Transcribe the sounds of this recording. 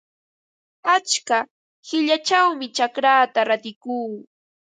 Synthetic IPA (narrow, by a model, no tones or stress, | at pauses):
at͡ʃka | hɪʎat͡ʃawmɪt͡ʃakɾaːt̪aɾat̪ɪkuː